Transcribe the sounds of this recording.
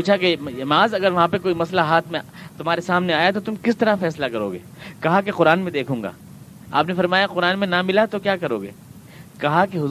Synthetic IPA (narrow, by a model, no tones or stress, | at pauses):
puːt͡ʃʰakejmaːzɐɡəɾʋɐɦãpekoːimɐslaɦaːt̪ʰmẽ | t̪ʊmaːɾesaːmneaːjat̪ot̪ʊmkɪst̪ɐɾafɛːslakɐɾo̰ːɡḛːkɐɦakeqʊɾaːnmẽd̪eːkʰũːŋɡa̰ː | a̰ːpnefɐɾmaːjaqʊɾaːnmẽnamɪlat̪okjaːkɐɾo̰ːɡḛː | kɐɦakeɦʊ